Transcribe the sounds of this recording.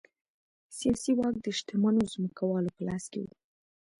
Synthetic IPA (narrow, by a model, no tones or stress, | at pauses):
sijɑsiwɑk̚d̪əʃt̪əmanozməkawɑlopəlaskḛwṵ